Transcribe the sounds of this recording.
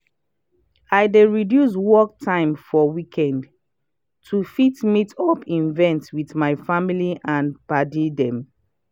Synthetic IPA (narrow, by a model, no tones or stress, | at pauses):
ajdeɹidjus̬wɔk̚tʰãɪ̃mfɔwikʰɛ̃nd | tʰufitmitɔpʰĩnvɛ̃ntwiðmaɪfamiliʔãnbadidɛ̃m